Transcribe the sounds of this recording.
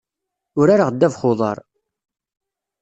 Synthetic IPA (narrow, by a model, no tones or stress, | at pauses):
ʊɾaɾaʁəd̪ːævχoðˤɑ̰ɾˤ